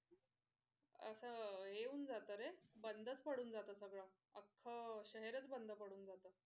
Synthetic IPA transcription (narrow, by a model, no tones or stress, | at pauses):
ə̰səɦeuːnd͡zat̪əɾebənd̪ʱət͡spəɽuːnd͡zat̪əːsəɡɭa | əkʰːəɕəɦeɾət͡sbənd̪ʱəpəɽuːnd͡zat̪ə